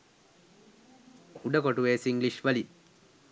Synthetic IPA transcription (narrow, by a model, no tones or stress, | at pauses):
uɖɐkoʈuʋeːsiŋɡliʃʋɐli